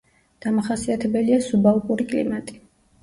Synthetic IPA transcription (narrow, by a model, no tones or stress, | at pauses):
d̪̥amaχasiat̪ʰɛbɛliasubalˠkʼuɾikʼlḭmat̪ʼi̥